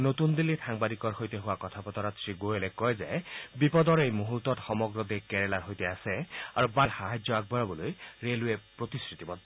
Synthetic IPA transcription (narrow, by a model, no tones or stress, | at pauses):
not̪und̪ilːitʰaŋbad̪ikɔɹxojt̪eɦuwakɔt̪ʰapɔt̪ɔɾat̪sɹiɡoelekɔjzejbipɔd̪ɔɹejmuɦut̪ɔtxɔmɔɡɹɔd̪ekeɹelaɾɦojt̪easeaɾubaxaɦad͡ʒjɔaɡ̚bɔɹɔbɔlojɹeluepɹot̪iskɹit̪ibɔd̪